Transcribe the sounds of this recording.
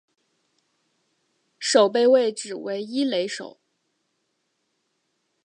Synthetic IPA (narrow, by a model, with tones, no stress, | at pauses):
ʂo˨˩ʊp̬e˥˧ɪwe˥˩ɪʈ͡ʂɻ̩˨˩we˧˥ɪi˥le˧˥ɪʂo̰˨˩˦ʊ